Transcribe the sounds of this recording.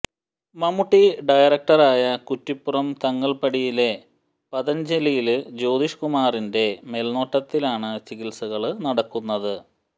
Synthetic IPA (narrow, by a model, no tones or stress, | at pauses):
mɐmuʈːiɖɐjɐrɐk̚ʈɐraːjɐkutːipːurɐmt̪ɐŋːɐɭpɐɽijile̞ | pɐðɐnd͡ʑelijild͡ʑo̞ːd̪iʂkumaːrinde̞melno̞ːʈːɐt̪ːilaːɳɨt͡ɕikilsɐɣɐɭnɐɽɐkːunːɐðɨ